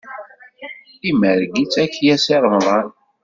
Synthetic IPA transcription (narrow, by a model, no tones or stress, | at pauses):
iməɾɡit͡sːæçjæsiɾˤmðˤɑn